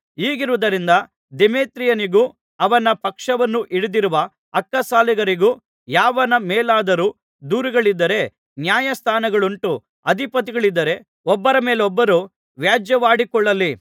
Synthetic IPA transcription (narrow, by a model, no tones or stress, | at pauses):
iːɡiɾuʋud̪ɐɾind̪ɐ | d̪emeːt̪ɾijɐniɡuː | ɐʋɐnɐpɐkʂɐʋɐnːuʔiɽid̪iɾuʋɐ | ɐkːɐsaːliɡɐɾiɡuː | jaːʋɐnɐmeːlaːd̪ɐɾuː | d̪uːɾiɡɐɭid̪ːɐɾe̞ | njaːjɐst̪ʰaːnɐɡɐɭuɳʈu | ɐd̪ʱipɐt̪̬iɡɐɭid̪ːɐɾe̞ | ɔbːɐɾɐme̞ːlɔbːɐɾu | ʋjaːd͡ʒjɐʋaːɽikɔɭːɐlːi